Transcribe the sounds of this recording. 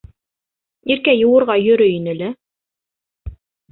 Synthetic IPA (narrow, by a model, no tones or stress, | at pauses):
iɾkæjɤ̆wɤ̆ɾʁɑjɵ̆ɾɵinɘ̆lɘ